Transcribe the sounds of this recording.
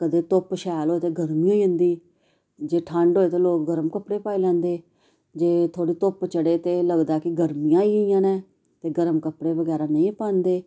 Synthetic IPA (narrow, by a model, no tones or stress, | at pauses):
kəd̪eːt̪ʊpʃaːjlɦoːeːt̪eːɡəɾmiːãːiːɦʊ̃nd̪iː | d͡ʒeːʈʰə̃ɳɖɦoːeːt̪eːloːk̚ɡəɾəmkəpɽeːpaːiːlɛ̃ːnd̪eː | d͡ʒeːt̪ʰoːɽiːt̪ʊpt͡ʃəɽeːt̪eːləɡd̪aːkɪɡəɾmijãːiːijãːnɛ̃ː | t̪eːɡəɾəmkəpɽeːʋəɡɛːɾaːnəĩːpaːnd̪eː